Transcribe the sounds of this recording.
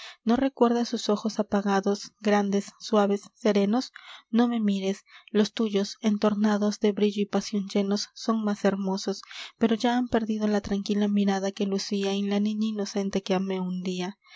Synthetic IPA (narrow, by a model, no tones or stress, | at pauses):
no̞re̞kwe̞ɾðasuso̞xo̞sapaɣaðo̞sɡɾand̪e̞sːwaβe̞sːe̞ɾe̞no̞sno̞me̞miɾe̞slo̞st̪uʝo̞se̞nt̪o̞ɾnaðo̞zðe̞βɾiʝoipasjo̞nd͡ʒe̞no̞sːo̞ŋmase̞ɾmo̞so̞spe̞ɾo̞ʝaampe̞ɾðið̞o̞lat̪ɾaŋkilamiɾaðake̞lusiainlanĩɲaino̞se̞nt̪e̞ke̞ame̞und̪ia